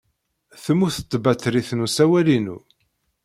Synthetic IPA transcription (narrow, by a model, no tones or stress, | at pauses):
θəmːuθə̥t̪ːbæt̪ːɾiθnusæwælinṵ